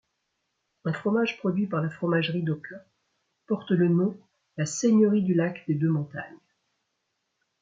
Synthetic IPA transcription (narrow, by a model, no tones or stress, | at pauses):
ɛ̃fχɔmaʒpχɔd̪ɥipaʁlafχɔmaʒʁid̪ɔkɔ̃ | pɔʁt̪lənɔ̃ | laseɲəʁid̪ylakd̪ed̪ømɔ̃t̪a̰ɲ